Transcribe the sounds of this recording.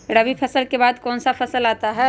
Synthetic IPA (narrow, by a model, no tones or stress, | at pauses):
ɾɐʋipʰɐsəlkebaːd̪kɔːnsapʰɐsəlaːt̪aɦɛː